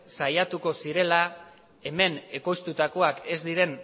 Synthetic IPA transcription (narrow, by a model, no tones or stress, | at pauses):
sajat̪uko̞siɾe̞la | e̞me̞ne̞ko̞jst̪ut̪ako̞ake̞zd̪iɾe̞n